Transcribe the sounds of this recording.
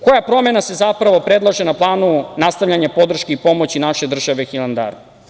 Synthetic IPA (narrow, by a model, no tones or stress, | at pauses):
ko̞japɾo̞me̞nase̞zapɾaʋo̞pɾed̪lˠaʒenaplˠaːnunast̪aʋʎʲaɲapo̞d̪r̩ʃkeipo̞mo̞t͡ɕinaʃe̞d̪r̩ʒaʋexilˠand̪a̰ɾ